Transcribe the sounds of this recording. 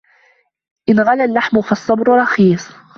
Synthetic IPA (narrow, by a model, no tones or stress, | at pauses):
ʔɪnɣalalːaħmʊfɑsˤːɑbɾʊɾˤɑxiːsˤ